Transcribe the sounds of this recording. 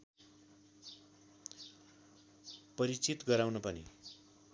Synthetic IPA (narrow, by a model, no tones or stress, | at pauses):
pʌɾit͡sit̪ɡʌɾawnʌpʌnḭ